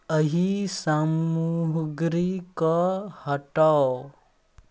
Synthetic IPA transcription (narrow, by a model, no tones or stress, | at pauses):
əɦisamuɦɡɾikɔhəʈaw